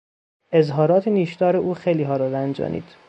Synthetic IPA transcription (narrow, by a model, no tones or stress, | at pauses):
ʔe̞zɦɒːɾɒːt̪ʰeniːʃt̪ɒːɾeʔuːxejliːɦɒːɾɒːɾænd͡ʒɒ̰ːnʔḭːd̪̥